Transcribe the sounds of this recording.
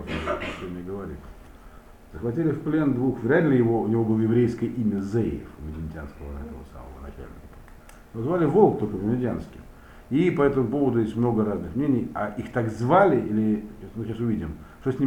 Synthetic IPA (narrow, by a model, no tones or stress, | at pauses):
ot̪sʲonʲnʲəɡəvɐɾʲḭf | zəxvɐtʲilʲɪfplʲe̞nd̪vuxvɾʲædʲlʲɪjɪvo̞ʊnʲɪvo̞bɨlˠəjɪvɾʲejskəjəʔimʲəzejɪ̰fvʲmʲɪdʲɪnʲtʲɪa̰nskəvəɛ̰t̪əvə̰sa̰mə̰vənɐ̰t͡ɕæ̰lʲnʲɪ̰kəpat | nozvalʲɪvo̞lˠk̚t̪olʲkəvʲɪmʲɪdʲɪanskʲɪ̰m | ipɐɛt̪əmʊpo̞vəd̪ʊjesʲtʲmno̞ɡəɾaznɨxmnʲenʲɪjaʔixt̪akzvalʲɪʔilʲɪmɨɕasʊvʲidʲɪmʂt̪osʲnʲi